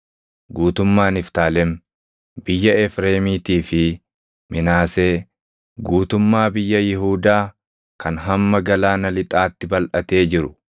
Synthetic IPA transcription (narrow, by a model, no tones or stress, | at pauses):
ɡuːt̪ʊmːaːnɪft̪aːlɛm | bɪjːɐɛfɾeːmiːt̪iːfɪ | mʔɪnaːse̞ː | ɡuːt̪ʊmːaːbɪjːɐjɪɦuːd̪aː | kʰɐnɦɐmːɐɡɐlaːnɐlɪt̪ʼaːt̪ːɪbɐlʔɐt̪e̞ːd͡ʒɪɾʊ